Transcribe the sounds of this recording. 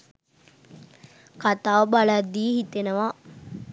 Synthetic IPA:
kat̪aːʋbalad̪ːiːhit̪enəʋa

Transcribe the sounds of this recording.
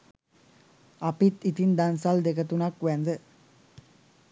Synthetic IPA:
apit̪it̪ind̪ansald̪ekət̪unakʋænd̪ə

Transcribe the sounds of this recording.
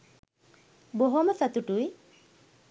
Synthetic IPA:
boɦoməsat̪uʈuj

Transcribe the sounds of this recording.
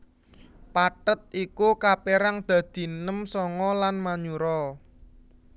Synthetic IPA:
paʈət̪̚ikukapeɾaŋd̪̥ä̤d̪̥i̤nəmsɔŋɔlanmaɲuɾɔ

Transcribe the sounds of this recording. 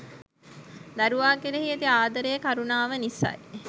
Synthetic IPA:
d̪æɾuʋaːkiɾeɦiet̪iaːd̪ɐɾejəkaɾunaːʋənisa̰j

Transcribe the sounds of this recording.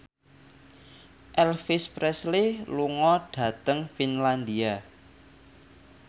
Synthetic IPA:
ʔɛlfispɾɛsliluŋɔɖ̥ä̤t̪əŋfinland̪ia

